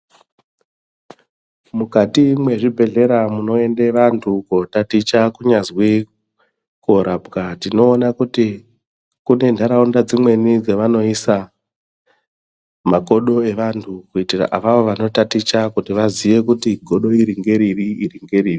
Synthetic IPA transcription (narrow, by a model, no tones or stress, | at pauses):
mukatimwe̞ʐibʱe̞ɮe̞ɾamuno̞e̞ndeʋantʰukotatit͡ʃakuɲazwi | koɾʔabkatino̞ːnakuti | kune̞ndʱaɾaundad͡zimwe̞nid͡zeʋano̞isa | mako̞ɗo̞e̞ʋantʰukuitira̰ʔaʋaʋoʋano̞tatit͡ʃakutiʋaziʋe̞kutiɡʱo̞ɗo̞iɾiŋɡe̞ɾiriiɾiŋɡe̞ɾiːri